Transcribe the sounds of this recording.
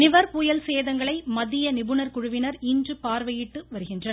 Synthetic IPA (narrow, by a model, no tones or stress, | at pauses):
nɪʋɐɾpuːjɐlseːðɐŋɡɐɭɐɪmɐðɪjɐnɪbɯnɐɾkʊɻʊʋɪnɐɾindrɯpaːɾʋɐjɪʈːɯʋɐɾɯɣɪndrɐnɐ